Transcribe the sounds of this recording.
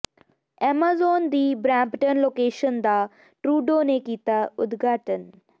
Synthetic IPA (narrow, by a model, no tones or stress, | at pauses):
ɛːmaːzoːnd̪iːbɾaːmpʈənloːkeːʃənd̪a | ʈɾuːɖoːnekiːt̪aʊd̪ɡʱaːʈən